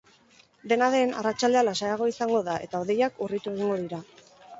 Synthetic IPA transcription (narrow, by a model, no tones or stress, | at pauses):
d̪e̞naðe̞na̰rat͡ʃald̪ealasajaɣ̞o̞isaŋɡo̞ðaʔe̞t̪ao̞ð̞e̞jakurit̪ue̞ɣ̞iŋɡo̞ðiɾa